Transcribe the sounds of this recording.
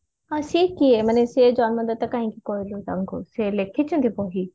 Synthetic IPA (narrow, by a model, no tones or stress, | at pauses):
ãːsiːkːiemɐnẽsed͡ʑaːnmɐ̃nd̪ət̪ːɐkãːɦĩkikoːilːt̪ɐ̃ŋɡʱoseːlekʰɪt͡ɕʰə̃nd̪ʰipoːɦiː